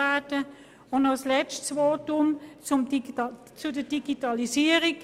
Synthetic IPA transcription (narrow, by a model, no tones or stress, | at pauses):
aːtə | onɔslɛt͡ʃtsʋoːtʊmt͡sʊm | t͡sudəd̥iɡitɑlisiːəʁik